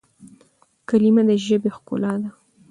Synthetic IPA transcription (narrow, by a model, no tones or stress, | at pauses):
kalimad̪əʒəbexkʊ̰lɑd̪a